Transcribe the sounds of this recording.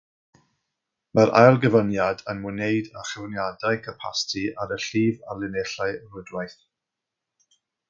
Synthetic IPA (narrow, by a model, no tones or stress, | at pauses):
məɾʔa̰jlˠɡəvənjadənmɨnejdəχɛwnjadaɨkʰəpʰa̰stʰiʔaɾəɬiːva̰lɪneɬaɨrʊdwajθ